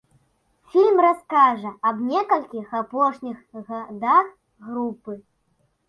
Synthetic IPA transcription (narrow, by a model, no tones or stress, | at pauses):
fʲilʲmraskaʐɐɐbnʲɛkɐlʲkʲixapɔʂnʲixɣad̪ax | ɣɾupɨ